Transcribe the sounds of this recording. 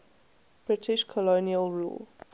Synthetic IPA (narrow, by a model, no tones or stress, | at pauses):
b̥ɹɪtʰɪʃkʰɔloniəlˠɹṵːl